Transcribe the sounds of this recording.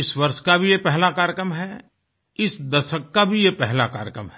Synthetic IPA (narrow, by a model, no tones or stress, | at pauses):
ɪswɐɾʃkabʱijepɛɦlakaːɾjəkɾəmɦɛ | ɪsd̪ɐʃəkːabʱijepɛɦlaka̰ːɾjəkɾəmɦɛ